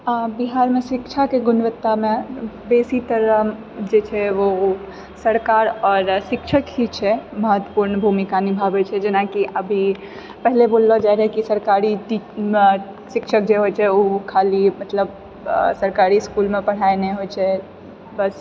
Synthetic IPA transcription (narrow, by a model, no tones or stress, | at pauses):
biɦaːɾmẽsɪkt͡ʃʰakeɡʊnʋət̪ːamẽ | beːsit̪əɾə | d͡ʒet͡ʃʰɛʋo | səɾkaːɾɔːɾsɪkʃʰəkit͡ʃʰɛməɦət̪wəpuɾnbʱumikanibʱabet͡ʃʰɛd͡ʒenakiʔəbʱi | pɛɦleboːlːɔd͡ʒaɾɦkisəɾkaːɾit̪i | ʃɪkʃʰək̚d͡ʒeɦot͡ʃʰɛukʰaːlimət̪ləb | səɾkaːɾiskuːlmẽpəɽ̤aeneɦot͡ʃʰɛ | bəs